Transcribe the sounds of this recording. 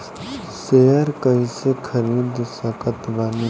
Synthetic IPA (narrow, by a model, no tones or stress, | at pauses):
seɦəɾkəisekʰəɾiːd̪səkət̪bani